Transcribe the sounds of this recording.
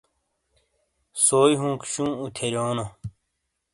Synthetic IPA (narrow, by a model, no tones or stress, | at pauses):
soːjɦũːkɕũːut̪ʰeɾoːno